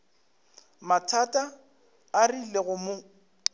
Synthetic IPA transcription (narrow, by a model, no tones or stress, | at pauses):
matʰatʼaː | rileɣʊmʊ